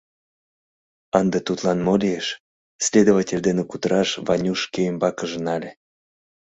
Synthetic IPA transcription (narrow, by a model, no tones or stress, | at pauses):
ɑnd̪ət̪ut̪lɑnmolʲijeʃ | sʲlʲed̪ovatʲelʲd̪enekut̪əɾɑʃvɑnʲuʃkeembɑkəʒənɑlʲe